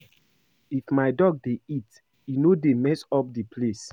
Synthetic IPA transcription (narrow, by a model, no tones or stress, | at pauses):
ifmaɪdɔɡ̚deit | inodemɛsɔp̚dipʰles